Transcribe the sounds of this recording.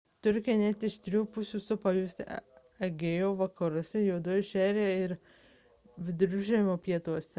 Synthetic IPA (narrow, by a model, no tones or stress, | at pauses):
t̪ʊɾʲkʲɪɛnʲɛt̪ʲɪʃt̪ʲɾʲuːpʊsʲuːsʊpɐjuːsʲɛ̰ | ɐɡʲeːjoːʋɐkɐɾʊsʲɛjɛːd̪uːjɪʃʲæːɾʲeːɪɾ | ʋʲɪd̪ʊɾʲʊʒʲɛmoːpʲiɛt̪uɔsʲɛ